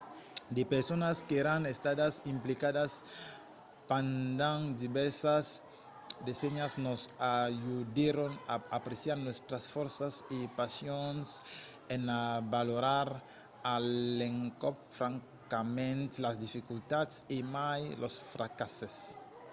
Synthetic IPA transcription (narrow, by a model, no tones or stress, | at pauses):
d̪epeɾsonaskeeɾaŋest̪ad̪asimplikad̪as | pand̪aŋd̪iβɛɾsas | d̪eseɲasnosajud̪eɾonaapɾesjaɾnwɛst̪ɾasfɔɾsasipasjons | enabaloɾaɾ | aleŋkɔp̚fɾaŋ | kamẽnt̪lazd̪ifikult̪ad̪simajlʔosfɾakases